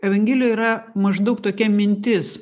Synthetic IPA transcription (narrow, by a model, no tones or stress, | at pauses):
ɛʋɐŋʲɡʲiːlʲɪjɛiːɾɐmɐʒd̪ɐʊk̚t̪oːkʲɛmʲɪnʲt̪ʲɪs